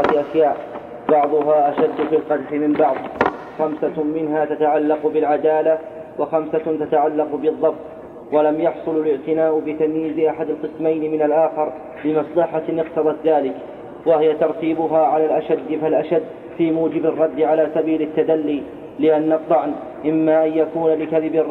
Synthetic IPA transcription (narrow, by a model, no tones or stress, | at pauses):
t̪ʔaʃjaːʔ | bɑʕðˤʊɦaːʔaʃad̪ːfilqɑd̪ħɪmɪmbɑʕðˤ | xamsamɪnɦaːt̪at̪aʕalːɑqʊbɪlʕad̪aːla | waxamsat̪at̪aʕalːɑqbɨðˤːɑbt̪̚ˤ | walamjɑħsˤʊlalɪʕt̪ɪnaːʔʊbɪt̪amjiːzɪʔaħad̪alqɨsmajnmɪnalʔaːxɪɾ | lɪmɑsˤlɑħanɨqt̪ɑðˤɑt̪ðaːlɪk | wahɪjat̪ɑɾˤt̪iːbʊɦaːʕalaːlʔaʃad̪ːfalʔaʃad̪ː | fiːmuːd͡ʒɪbɪrˤːɑd̪ːʕalaːsabiːlɪt̪ːad̪alːiː | lɪʔanːɑt̪ˤːɑʕn | ʔɪmːaːʔanjakuːnalɪkaðɪbr